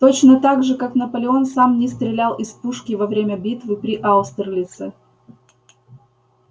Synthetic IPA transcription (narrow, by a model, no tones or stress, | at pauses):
t̪ot͡ɕnət̪aɡʐɨkaknɐpəlʲɪo̞nsamnʲɪst̪ɾʲɪlʲalˠʔɪspuʂkʲɪvɐvɾʲemʲəbʲit̪vɨpɾʲɪʔaʊst̪rlʲɪt̪sɛ